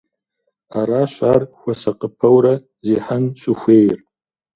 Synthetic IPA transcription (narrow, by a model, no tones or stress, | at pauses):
aɾaːɕʷaːrxʷɐsɐqʼəpʰɐwɾɐ | ziːħanɕʷʼʊxʷeːjr